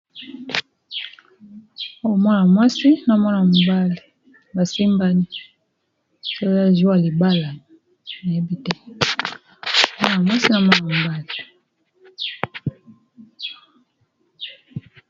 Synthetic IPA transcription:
o˦o˨mɔ˦na˨mwa˦si˦na˨mɔ˦na˨mu˨ba˦le˨ | ba˨si˦mba˦ni˦ | so˦a˦zu˦a˨li˨ba˦la˨ | na˨je˦bi˦tɛ˦˨ | mɔ˦na˨mwa˦si˦na˨mɔ˦na˨mu˨ba˦li˨

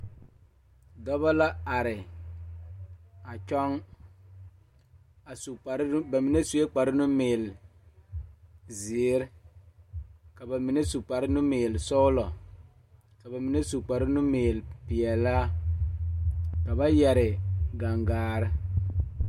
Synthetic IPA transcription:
dɔ˦ba˦la˦a˨ɾɪ˨ | a˨t͡ʃɔ˦ŋ | a˨sɾba˨mi˨ne˦su˨˦e˦k͡pa˨ɾɪ˦nʊ˦meː˨l | zi˨˦ɾ | ka˨ba˨mi˨ne˦su˨k͡pa˨ɾɪ˦nʊ˦meː˨lsɔ˦lɔ˨ | ka˨ba˨mi˨ne˦su˨k͡pa˨ɾɪ˦nʊ˦meː˨lpɪ˨ɛ˨la˦ | ka˨ba˦jɛ˨ɾɪ˨ɡa˨ŋɡaː˨˦ɾɪ˦

